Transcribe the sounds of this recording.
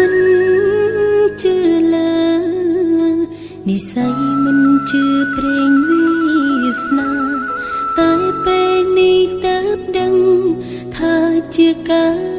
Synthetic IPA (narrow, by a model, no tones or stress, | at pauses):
mɨn | t͡ɕɨːləː | nisajmɨnt͡ɕɨːpreːŋmisnawt̪əːpeːllnit̪əːp̚ɗəŋ | t̪ʰaːt͡ɕiəkaː